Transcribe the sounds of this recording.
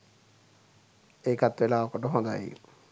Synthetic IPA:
eːkat̪ʋelaːokoʈəɦõnd̪a̰j̰ṵ

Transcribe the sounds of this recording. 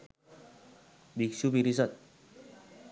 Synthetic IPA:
biksupiɾis̬ət̪̚

